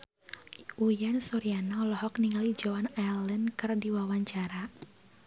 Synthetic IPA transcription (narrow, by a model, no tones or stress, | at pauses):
ʔujansɔɾianɔlɔɦɔkniŋalid͡ʒɔanalənkɨrdiwawaɲt͡ʃaɾa